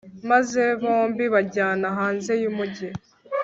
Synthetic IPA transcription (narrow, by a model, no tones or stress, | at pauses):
maze̞βoːmbiβaɟaːnaɦaːnze̞jumuɟe